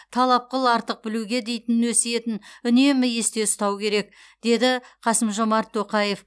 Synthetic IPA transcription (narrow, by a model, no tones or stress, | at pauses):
t̪ʰɑlˠɑp̚qəlˠɑɾt̪əq̚bɪluɡʲe̞d̪e̞jt̪ɪnɪnwɵseje̞t̪ɪnʏne̞mɪje̞st̪e̞st̪ɑwkʲʰe̞ɾe̞k̚ | d̪̥e̞d̪ɪqʰɑsəmʒo̞mɑɾt̪ʰːoqɑje̞f